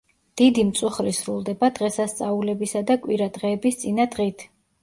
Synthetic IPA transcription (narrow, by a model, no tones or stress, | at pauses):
d̪̥id̪imt̪sʼuχɾisɾulˠd̪ɛbad̪ʁɛsast̪sʼaulɛbisad̪akʼwiɾad̪ʁɛːbist̪sʼinad̪ʁit̪ʰ